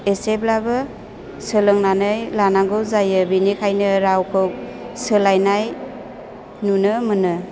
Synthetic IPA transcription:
eseblabɯ | sɯlɯŋnanɯjlanaŋɡɯwzajɯbinikʰajnɯɾawkʰɯw | sɯlajnaj | nunɯmɯnɯ

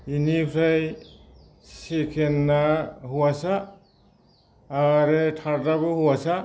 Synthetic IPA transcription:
inipʰɾaj | sekʰenːahuwasa | ɾetʰaɾdabɯhuwasa

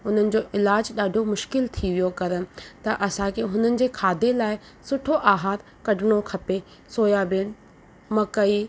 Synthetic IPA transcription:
ʊn̤ənɪ̆d͡ʑoːʔɪlaːd͡ʑɗaːɖʱomʊʃkɪlt̪ʰiʋijokɐɾənɪ̆t̪ɐʔɐsãkʰeɦʊn̤ənɪ̆d͡ʑeːkʰaːd̪elaːɪ | sʊʈʰoʔaːɦaːɾ | kɐɖʱɪɽ̃okʰɐpe | soːjabɪn̆ | mɐkɐiː

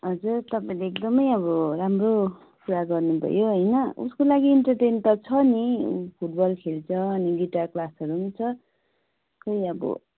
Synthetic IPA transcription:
ɦʌd͡zurt̪ʌpaĩleːkd̪ʌmʌjʌβʌramro | kuɾaɡʌrnubʱʌ̰joɦʌjnʌṵskolaɡiːɳʈʌʈent̪ʌt͡sʰʌniupʰuʈ̚bʌlkʰelt͡sʰʌːniɡiʈaklasʌɾunt͡sʰʌ | kʌjʌbʌ̰

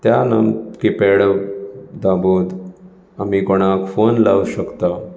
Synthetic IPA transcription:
t̪janə̰mkipeɽəʋd̪abuːd̪ | amikoɽ̃akfonla̰ʋuɕəkt̪a

